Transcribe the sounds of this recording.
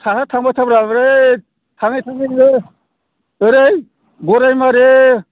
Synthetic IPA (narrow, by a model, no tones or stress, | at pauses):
tʰaɦatʰaŋbatʰabɾaɯɾe | tʰaŋajtʰaŋiɯ | ɯɾej | ɡɔɾajmaɾe